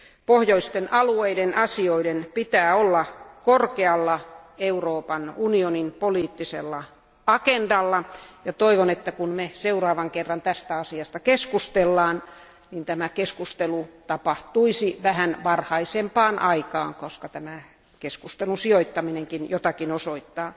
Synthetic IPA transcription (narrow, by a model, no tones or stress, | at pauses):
pohjoist̪enʔɑlueidenʔɑsioidenpit̪æːolːɑkorkeɑlːɑeuroːpɑnunioninpoliːt̪ːiselːɑ | ɑkendɑlːɑjɑt̪oiʋonet̪ːækunmeseurɑːʋɑŋkerːɑnt̪æst̪æɑsiɑst̪ɑkeskust̪elːɑːn | nint̪æmækeskust̪elut̪ɑpɑht̪uisiʋæhænʋɑrhɑisempɑːnʔɑikɑːŋkoskɑt̪æmæ | keskust̪elusioit̪ːɑmineŋkinjot̪ɑkinosoit̪ːɑː